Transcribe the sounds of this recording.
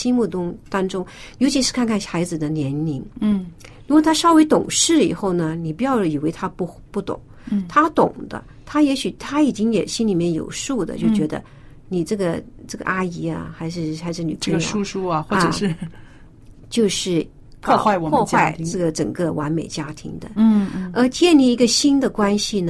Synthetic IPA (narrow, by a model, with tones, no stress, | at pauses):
i˥nmu˥˩t̪ʊ˥ŋt̪ɑ˥ŋʈ͡ʂʊ˥ŋjo˧˥ʊt͡ɕʰi˧˥ʂɻ̩˥˧kʰa˥˧nkʰa˥˩xa˧˥ɪd͡zɹ̩˨˩d̪ə˦njɛ˧˥nli˧˥n̩˩ | ɻ̩u˥wo˥˩t̪ʰa˥ʂɑ˥ʊwe˧˥ɪt̪ʊ˨˩ŋʂɻ̩˥˩ḭ˨˩xo˥˩ʊnə˩ni˨˩pu˧˥jɑ˥˩ʊi˨˩we˧˥ɪt̪ʰa˥pu˥˧ | pu˥˩t̪ʊ̰˨˩˦ŋ | t̪ʰa˥t̪ʊ̰˨˩ŋd̪ə̰˦ | t̪ʰa˥jɛ˧˥ɕy˨˩t̪ʰa˥i˨˩t͡ɕi˥ŋjɛ˨˩ɕi˥nli˨˩mjɛ˥˩njo̰˨˩ʊʂu˥˩d̪ə̰˩t͡ɕjo˥˩ʊt͡ɕɥɛ˧˥d̪ə̰˧ | ni˨˩ʈ͡ʂɤ˥˩ɡə˩ʈ͡ʂɤ˥˩ɡə̰˩ʔa˥i˧˥ɐ̰˧xa˧˥ɪʂ̬ɻ̩˥˧xa˧˥ɪʂ̬ɻ̩˥˩nḭ˨˩pʰɡu˥ʂu˥ɐ˧xwɔ˥˩ʈ͡ʂə˧˨˩ʂɻ̩˥˧ | t͡ɕjo˥˧ʊʂɻ̩˥˩ | pʰɔ˥˧˥xwa˥ɪwɔ˨˩wɔ˥˧wa˥˩ɪʈ͡ʂɤ˥˩ɡə˩ʈ͡ʂə˨˩ŋkə˥˧wa˧˥nme˨˩ɪt͡ɕja˥t̪ʰḭ˧˥ŋd̪ə̰˧ə˞˧˥t͡ɕjɛ˥˧nli˥˩i˧˥ɡə˧ɕi˥nd̪ə˨kwa˥nɕi˨nə˩